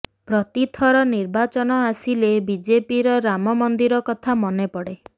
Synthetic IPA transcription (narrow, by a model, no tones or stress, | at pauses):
pɾɔt̪it̪ʰɔɾɔniɾbat͡ʃɔnɔasilebid͡ʒepiɾɔɾamɔmɔnd̪iɾɔkɔt̪ʰamɔnepɔɽe